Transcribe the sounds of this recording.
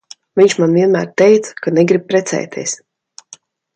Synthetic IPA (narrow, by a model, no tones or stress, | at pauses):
vʲiɲt͡ʃmanviɛnmæːɾt̪ɛjt̪sḁkanɛɡɾib̚pɾɛt̪sɛ̰ːt̪ʰʲiɛs